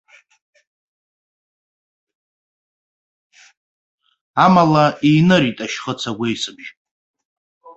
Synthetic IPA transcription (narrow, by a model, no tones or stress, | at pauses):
amalaʔijnɨɾitʼaʃχət͡sʰaɡʷejsɨbʒ